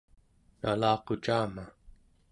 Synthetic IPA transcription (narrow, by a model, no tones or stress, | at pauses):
na̰lɑːqot͡ʃaːma